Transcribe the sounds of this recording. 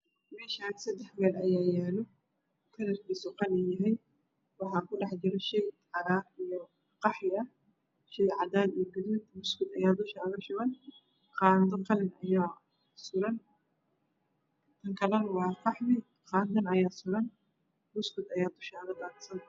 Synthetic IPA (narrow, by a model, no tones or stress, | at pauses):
mɛːʃaːnsɐd̪ɛħbɛːlʔɐjaːjɛːlɔ | kʰɐlɐrkisɔqɑlɪnjɐɦɛj | wɑħɑːkʰʊɖɑħt͡ʃɪɾɛʃɛjʕɑɾaːɾijɔ | qɑħjɪɐ | ʃɛjʕɑd̪aːd̪ijɔɡɐd̪iːd̪mʊskʊd̪ɐjaːd̪ʊʃaːðɐʃʊɣɐn | qɑːnd̪ɐqɑlɪnɐjaː | sʊɾɐn | t̪ʰɐŋkʰɐlɐnwɑːfɑħmɪ | qɑːnd̪ɐnɐjaːsʊɾɐn | mʊskʊd̪ɐjaːd̪ʊʃaːðɐd̪aːnsɐn